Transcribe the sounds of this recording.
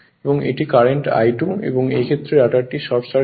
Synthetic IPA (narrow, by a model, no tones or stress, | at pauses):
eboŋḛʈikaɾeɳʈa̰jʈunḛboŋḛjkʰet̪ːɾeɾaʈaɾʈiʃɔɾbsa